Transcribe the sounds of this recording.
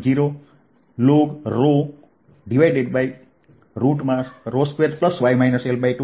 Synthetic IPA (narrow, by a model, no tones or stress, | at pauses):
d͡ʒiɾo | lokɾo | ɖiʋajɖeɖbaj | ɾuʈmãsɾoskʋeɾpləsʋajmajnəselbajʈu